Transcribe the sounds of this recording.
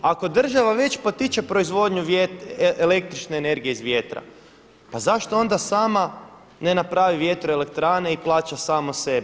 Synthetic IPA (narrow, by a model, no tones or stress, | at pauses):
ako̞d̪r̩ʒaʋaʋe̞t͡ʃpot̪it͡ʃepɾo̞izʋo̞d̪ɲuʋjet̪ele̞k̚t̪ɾit͡ʃne̞ːne̞ɾɡije̞izʋje̞t̪ɾa̰ | pazaʃt̪o̞o̞nd̪asaːma | ne̞napɾaːʋiʋjet̪ɾoe̞le̞kt̪ɾaːne̞iplˠaːt͡ɕasaːmose̞bi